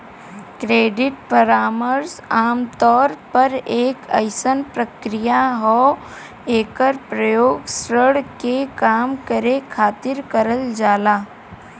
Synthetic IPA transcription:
kɾeːɖɪʈpəɾaːməɾsaːmt̪ɔːɾpɐɾeːkə̰ɪsənpɾəkɾɪjaɦɔː | eːkəɾpɾəjoːɡsɾəɽkekaːmkəɾekʰaːt̪ɪɾkəɾəld͡ʒaːlaː

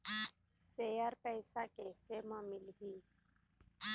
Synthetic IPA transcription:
sejəɾpɛjsakesemãmɪlɦiː

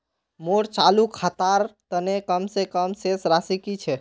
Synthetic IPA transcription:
moɾt͡ʃalukʰat̪aɾt̪ənekəmsekəmsesɾasikit͡ʃʰe

